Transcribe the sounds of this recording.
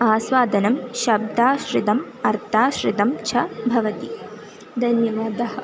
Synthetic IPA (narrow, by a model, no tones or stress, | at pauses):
aːsʋaːd̪ʱɐnɐmʃɐb̚d̪ʱaːʃɾɪd̪ɐm | ɐɾt̪ʰaːʃɾɪd̪ɐmt͡ʃʰɐbʱɐʋɐt̪i | d̪ʱɐnjɐʋaːd̪ɐɦɐ